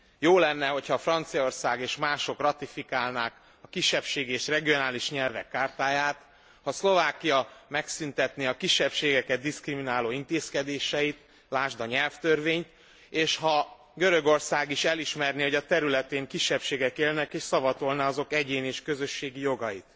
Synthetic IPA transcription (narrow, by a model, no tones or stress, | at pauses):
joːlɛnːɛɦo̞chɒfrɒnt̪sijɒo̞rsaːɡeːʃmaːʃo̞krɒt̪ifikaːlnaːk | ɒkiʃːɛpʃeːɡieːʃrɛɡijo̞naːliʃɲɛlvɛkːaːrt̪aːjaːt̪ | hɒslo̞vaːkijɒmɛksynt̪ɛt̪neɒkiʃːɛpʃeːɡɛkɛd̪ːiskriminaːloːint̪eːskɛd̪eːʃɛjit̪ | laːʒd̪ɒɲɛlft̪ørveːɲt̪ | eːʃhɒ | ɡøɾø̞ɡo̞rsaːɡiʃɛliʃmɛrniho̞ɟɒt̪ɛɾylɛt̪eːŋkiʃːɛpʃeːɡɛkeːlnɛkeːʃsɒvɒt̪olnɒɒzo̞kɛɟeːneːʃkø̞zøʃːeːɡijo̞ɡɒjit̪